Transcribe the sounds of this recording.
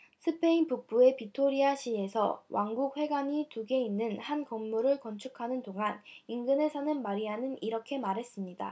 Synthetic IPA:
sʰɯpʰe̞inpuk̚p͈ue̞pitʰoɾiaɕʰie̞sʰʌ̰wʔa̰ŋɡuk̚ɸwe̞ɡaɲituɡe̞inːɯnhankʌŋmuɾɯɭkʌnt͡ɕʰukʰanɯndoŋaninɡɯne̞sʰʌnɯnmaɾiɦanɯniɾʌkʰe̞maɾɦe̞s͈ɯmɲida̰

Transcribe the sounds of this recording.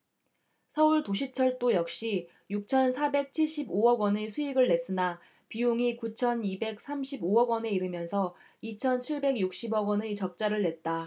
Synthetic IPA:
sʰʌuɭtoɕ̬ʰit͡ɕʰʌɭt͈ojʌk̚ɕ͈i | juk̚t͡ɕʰʌnsʰabe̞k̚t͡ɕʰiɭɕ͈iboʌɡwʌnesʰuiɡɯɭːe̞s͈ɯna | pijuŋikut͡ɕʰʌnibe̞k̚s͈ʰamɕʰiboʌɡwʌne̞iɾɯmjʌnsʰʌ | it͡ɕʰʌnt͡ɕʰiɭbe̞ɡjuk̚ɕ͈ibʌɡwʌnɯt͡ɕʌk̚t͡ɕ͈aɾɯɭːe̞t̚t͈a

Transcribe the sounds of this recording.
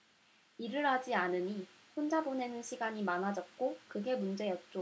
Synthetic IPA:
iɾɯɭɦad͡ʑianɯɲi | ɸʰond͡ʑabone̞nɯnɕʰiɡaɲimanɦad͡ʑʌt̚k͈okɯɡe̞mund͡ʑe̞jʌt̚t͡ɕ͈o

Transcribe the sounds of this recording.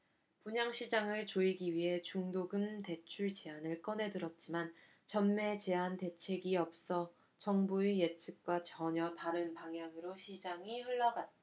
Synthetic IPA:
puɲaŋɕʰid͡ʑaŋɯɭt͡ɕoiɡiɥiɦe̞t͡ɕuŋdoɡɯmte̞t͡ɕʰuɭt͡ɕeanɯɭk͈ʌne̞dɯɾʌt̚t͡ɕ͈iman | t͡ɕʌnme̞t͡ɕe̞ante̞t͡ɕʰe̞ɡiʌp̚s͈ʌ | t͡ɕʌŋbuejet͡ɕʰɯk̚k͈wat͡ɕʌɲʌtaɾɯnpaŋjaŋɯɾoɕʰid͡ʑaŋiɸɯɭːʌɡat͈̚

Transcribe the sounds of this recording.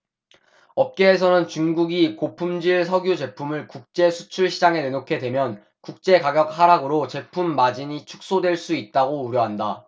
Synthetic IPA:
ʌp̚k͈e̞ːsʰʌnɯnt͡ɕuŋɡuɡikopʰumd͡ʑiɭsʰʌɡjud͡ʑe̞pʰumɯɭkuk̚t͡ɕ͈e̞sʰu̥t͡ɕʰuɭɕʰid͡ʑaŋe̞nenokʰe̞dwe̞mjʌn | kuk̚t͡ɕ͈e̞kaɡjʌk̚haɾaɡɯɾot͡ɕe̞pʰumːad͡ʑiɲit͡ɕʰu̥k̚s͈odwe̞ɭs͈uit̚t͈aɡouɾjʌɦanda

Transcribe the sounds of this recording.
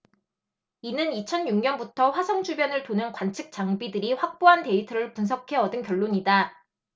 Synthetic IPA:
inɯnit͡ɕʰʌnjuŋɲʌnbutʰʌɸwasʰʌŋd͡ʑʰubjʌnɯɭtonɯnkwant͡ɕʰɯk̚t͡ɕ͈aŋbidɯɾiɸwak̚p͈oɦante̞itʰɯɾɯɭpuns̬ʰʌkʰe̞ʌdɯnkjʌ̹ɭːoɲida

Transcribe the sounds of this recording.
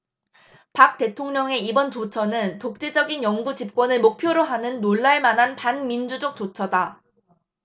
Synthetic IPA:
pak̚t͈e̞tʰoŋɲʌŋe̞ibʌnt͡ɕot͡ɕʰʌnɯntok̚t͡ɕ͈e̞d͡ʑʌɡinjʌŋɡut͡ɕip̚k͈wʌnɯɭmok̚pʰjoɾoɦanɯnːoɭːaɭmanɦanpanmind͡ʑud͡ʑʌk̚t͡ɕ͈ot͡ɕʰʌda

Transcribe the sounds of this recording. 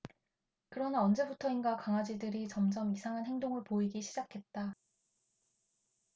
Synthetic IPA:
kɯɾʌnaʌnd͡ʑe̞butʰʌinɡakaŋad͡ʑidɯɾit͡ɕʌmd͡ʑʌmisʰaŋɦanɦeŋdoŋɯɭpoiɡiɕʰid͡ʑakʰe̞t̚t͈a

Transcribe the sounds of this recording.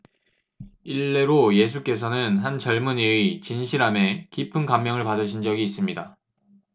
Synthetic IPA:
iɭːe̞ɾoje̞s̬ʰuk͈e̞sʰʌnɯnɦant͡ɕʌɭmuneit͡ɕinɕʰiɾame̞kipʰɯnkamjʌŋɯɭpadɯɕʰind͡ʑʌɡiːs͈ɯmɲida

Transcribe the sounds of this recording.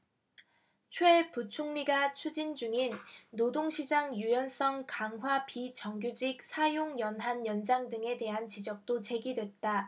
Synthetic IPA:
t͡ɕʰweput͡ɕʰuŋmiɡat͡ɕʰud͡ʑind͡ʑuŋinːodoŋɕʰid͡ʑaŋjujʌns͈ʌŋkaŋɦwapit͡ɕʌŋɡjud͡ʑik̚sʰajoŋjʌnɦanjʌnd͡ʑaŋdɯŋe̞de̞ɦant͡ɕid͡ʑʌk̚t͈ot͡ɕe̞ɡidwe̞t̚t͈a

